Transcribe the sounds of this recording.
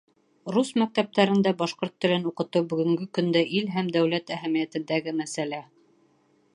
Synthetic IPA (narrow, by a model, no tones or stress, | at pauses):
rusmæk̚t̪æp̚t̪æɾɘ̆nd̪æbɑʃqoɾt̪ːɘ̆lɘnuqɤ̆t̪ɤwbɵ̆ɡɘ̆ŋɡɵkɵ̆nd̪æʔilɦæmd̪æwlæt̪æɦæmijæt̪ɘ̆nd̪æɡɘmæsælæ